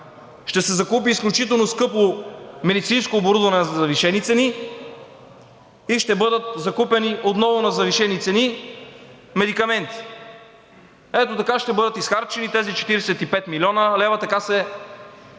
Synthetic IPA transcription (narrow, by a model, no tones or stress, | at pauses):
ʃt̪ɛsɛzɐkupiːsklʲut͡ʃit̪̬ɛlˠnoskɤpomɛd̪it̪sinskoːboɾud̪vɐnɛnzɐzɐviʃɛnit̪sɛni | iʃt̪ɛbɤd̪ət̪̚zɐkupɛniʔot̪nɔvʊnɐzɐviʃɛnit̪sɛni | mɛd̪ikɐmɛnt̪i̥ | ɛt̪ot̪ɐkaʃt̪ɛbɤd̪ət̪isxaɾt͡ʃɛnit̪ɛzit͡ʃɛ̥t̪iɾɛsɛt̪ipɛt̪milʲiɔnəlɛvɐt̪ɐkasɛ